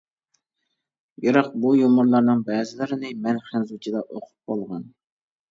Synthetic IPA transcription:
joɾɑq̚bujomʊɾlˠɑɾnɨŋbɛːzɪlɪɾɪnɪmɛnχænzut͡ʃʰid̪ɑʔoqʰʊ̥p̚bolˠʁɑn

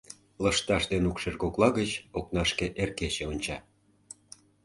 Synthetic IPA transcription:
ləʃt̪ɑʃd̪enukʃerɣoklɑɣət͡ɕoknɑʃkeʔerkeɕeonʲt͡ɕɑ

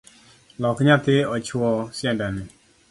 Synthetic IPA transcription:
lɔkɲat̪ɪɔt͡ʃʊɔsjɛndanɪ

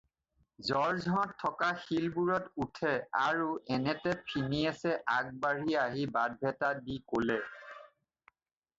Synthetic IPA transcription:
zɔɹzʱɔɔtʰːɔkaxilbuɹɔtutʰɛaɹuɛnɛtɛpʰiniasɛʔaɡ̚baɹiaɦibad̚bʱɛtadikolɛ

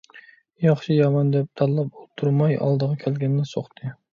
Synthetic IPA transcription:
jɑχʃijɑmɑnd̪ɛp̚t̪ʰɑlːˠɑp̚ot̪ʰuɾmɑjɑ̰lˠd̪əʁɑkʲʰɛlɡʲɛnːɪsoχt̪ʰɨ

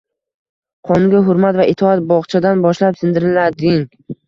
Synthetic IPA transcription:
qʰɒŋɡʲaɦʊɾmat̪vaʔɪt̪ʰɒat̪̚bɒʁt͡ʃʰad̪anbɒʃlapsɪnd̪ɪɾɪlad̪ɪŋ

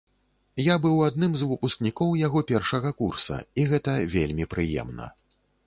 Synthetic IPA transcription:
jabɨwad̪̚nɨmzvɨpusknʲikɔwjaɣɔpʲɛrʂɐɣɐkursɐ̰iɣɛt̪ɐvʲelʲmʲipɾɨjɛ̰mnɐ̰

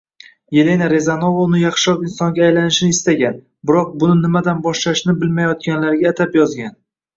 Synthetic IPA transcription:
je̞lenaɾe̞zano̞vaʊnɪjɑχʃɒkɪnsɒŋɡʲaːjlanɪʃɪnɪɪst̪aɡʲan | bɪɾɒq̚bʊnɪnɪmad̪anbɒʃlaʃnɪbɪlmajɒt̪ɡʲanlaɾɡʲaːt̪ʰapjɒzɡʲan

